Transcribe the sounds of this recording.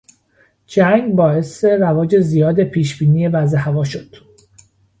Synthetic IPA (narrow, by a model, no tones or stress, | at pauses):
d͡ʒæŋɡbɒːe̞se̞ɾævɒːd͡ʒe̞zijɒːd̪e̞pʰiːʃb̥iːniːje̞væzehævɒːʃod̪̥